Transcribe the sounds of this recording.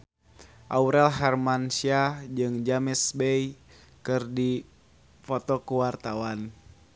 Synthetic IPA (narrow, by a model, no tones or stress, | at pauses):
ʔauɾɛlɦɛrmansiad͡ʒɨŋd͡ʒamɛsbɛj | kɨrdi | fɔt̪ɔkuwart̪awan